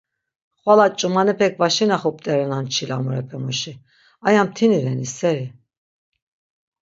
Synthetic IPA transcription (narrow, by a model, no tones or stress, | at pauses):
χwalat͡ʃʼumanɛpʰɛk̚ʰvaʃinaχup̚t̪ʼɛɾɛnant͡ʃʰilamuɾɛpʰɛmuʃi | ajamt̪ʰinivɛnisɛɾi